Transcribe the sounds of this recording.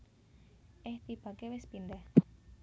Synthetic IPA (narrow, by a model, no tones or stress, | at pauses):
ʔɪht̪ib̥ä̤kewɪspind̪ɛh